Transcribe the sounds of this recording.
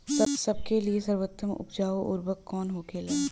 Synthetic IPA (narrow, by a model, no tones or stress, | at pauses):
sɐbsɐb̚keliesɐɾwət̪ːəmʊ̰pd͡ʒaːoʔʊɾbəkːɔːnɦoːkeleː